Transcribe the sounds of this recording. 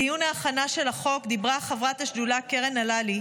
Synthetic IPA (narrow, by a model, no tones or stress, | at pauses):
ijunaːχanaʃe̞laχo̞kd̪ibʁaχavʁat̪haʃdulakeʁenalali